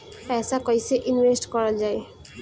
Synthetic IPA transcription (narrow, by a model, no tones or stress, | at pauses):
pɛsakʌjseʔinwesʈkʌɾʌld͡ʒae